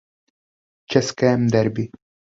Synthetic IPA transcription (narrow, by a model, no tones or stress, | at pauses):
t͡ʃɐskaːmd̪ɐɾbi